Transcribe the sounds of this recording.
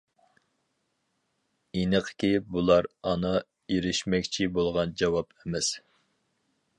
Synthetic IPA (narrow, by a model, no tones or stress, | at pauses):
inəqʰkʲibulˠɑɾɑnɨ | jeɾɪʃmɛkʲt͡ʃʰibolˠʁɑnd͡ʒɑwɑpʰɛmɛs